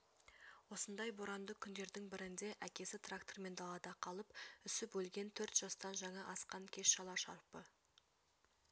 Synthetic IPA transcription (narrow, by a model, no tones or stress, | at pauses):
wo̞sənd̪ɑjboɾɑnd̪əkʲʰʏnd̪e̞ɾd̪ɪŋbɪɾɪnd̪e̞ʔækʲe̞sɪt̪ʰrakt̪o̞rme̞nd̪ɑlˠɑd̪ɑqʰɑlˠəpʏsɪpwɵlɡʲe̞nt̪ʰɵɾt̪ʒ̥ɑst̪ɑnʒɑɴɑʔɑsqɑŋkʲʰe̞sʃɑlˠɑʃɑɾpə